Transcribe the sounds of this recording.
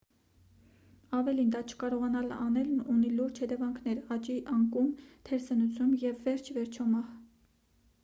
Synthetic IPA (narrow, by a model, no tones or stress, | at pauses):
ɑvɛlind̪ɑt͡ʃʰə̥kɑɾɔʁɑnɑlɑnɛluniluɾd͡ʒhɛt̪ɛvɑŋkʰnɛɾɑt͡ʃiʔɑŋkumt̪ʰɛɾsənut͡sʰjumjɛvːɛɾt͡ʃʰvɛɾt͡ʃʰɔmɑh